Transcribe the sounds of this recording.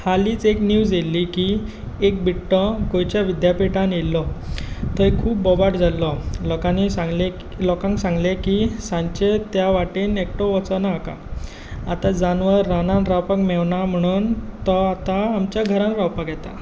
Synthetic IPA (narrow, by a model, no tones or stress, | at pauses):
haliːt͡sekniwselːiːki | ek̚biʈːɔɡojt͡ɕjaʋid̪japiʈãnjelːɔt̪əekʰuːpbɔbaʈd͡zʱalːɔlɔkanisaŋɡle | lɔkãŋksãŋɡlekisãɲt͡ɕet̪jaʋaʈenek̚ʈɔʋɔt͡sənaːka̰ | at̪ad͡zanʋəɾːananɾawpakmeʋɳam̤əɽ̃uːnt̪ɔat̪aːmt͡ɕjaɡʱəɾãnɾawpakjɛt̪a̰